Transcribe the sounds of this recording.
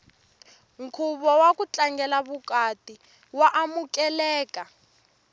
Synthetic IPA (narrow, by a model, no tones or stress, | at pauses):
ŋ̩kʰuβɔwakut͡ɬʼaŋɡɛlaβukʼatʼi | waʔamukʼɛlɛːka